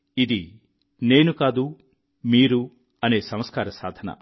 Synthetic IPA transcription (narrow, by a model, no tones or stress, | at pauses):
id̪i | neːnukaːd̪u | miːɾu | ɐneːsɐ̃m̃skaːɾɐsa̰ːd̪ʱɐnɐ̰